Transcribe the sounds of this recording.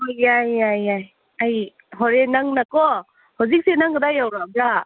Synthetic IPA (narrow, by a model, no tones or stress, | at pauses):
ojajajaj | aj | ɦɔɾenaŋnakɔ | hawzik̚senaŋɡɯdajawɾada